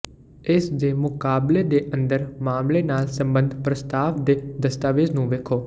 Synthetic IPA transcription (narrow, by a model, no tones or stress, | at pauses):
ɪsd̪eːmʊkaːbled̪eːʔə̃nd̪əɾmaːmleːnaːlsə̃mbə̃nd̪ʱpɾəst̪aːʋd̪eːd̪əst̪aːʋeznũːʋeːkʰoː